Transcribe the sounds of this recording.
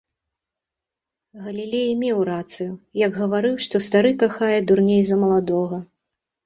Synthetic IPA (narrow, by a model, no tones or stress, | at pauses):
ɣɐlʲilʲejmʲɛwɾat̪sɨjujɐɡɣɐvaɾɨwʂt̪ɔst̪aɾɨkaxajɛd̪urnʲejzɐmɐlˠad̪ɔɣɐ